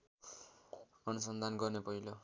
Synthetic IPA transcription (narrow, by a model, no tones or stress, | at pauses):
ʌnusʌnd̪ʱanɡʌrnepʌɦilo